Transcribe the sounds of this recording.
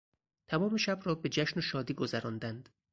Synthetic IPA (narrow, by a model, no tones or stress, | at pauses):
t̪ʰæmɒːme̞ʃæbrɒːbe̞d͡ʒæʃnoʃɒːd̪iːɡo̞zæɾɒːnd̪ænd̪̥